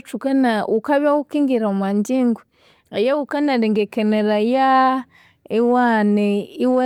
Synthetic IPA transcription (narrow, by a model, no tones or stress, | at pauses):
t͡ʃukanaʔukaβjawukiŋɡiɾaumaɲɟiŋɡu | ajaukanaɾiŋɡekeneɾaja | iwaneiwa